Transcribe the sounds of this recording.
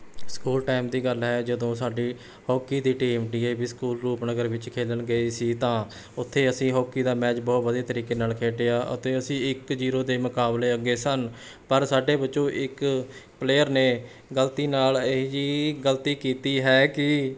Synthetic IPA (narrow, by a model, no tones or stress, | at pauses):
skuːlʈaːmd̪iːɡəlɦɛːd͡ʒəd̪õːsaːɖiː | hɔːkiːd̪iːʈiːmɖiːeːbiːskuːlɾuːpnəɡəɾʋɪt͡ʃkʰeːlənɡəiːsiːt̪ãː | ʊt̪ʰːeːəsĩːɦɔːkiːd̪aːmɛːt͡ʃbɔːt̪bəd̪eːt̪əɾiːkeːnaːlkʰeːʈeːaːʔʊ̰t̪eːəsĩːɪkd͡ʒiːɾoːd̪eːmʊkaːbleːəɡeːsən | pəɾsaːɖeːbətːʃõːʔɪk | pleːəɾneː | ɡəlt̪iːnaːled͡ʒiːɡəlt̪iːkiːt̪iːɦɛːkɪ